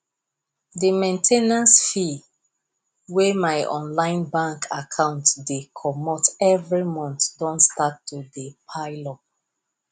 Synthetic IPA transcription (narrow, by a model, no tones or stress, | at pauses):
dimẽntʰenãsfi | wemaɪʔɔ̰̃nlãɪ̃nbãŋkʰa̰kʰãʊ̃ntdekʰɔmɔtɛvɹimɔ̃ntdɔ̃ntstatːudepʰaɪlɔp̚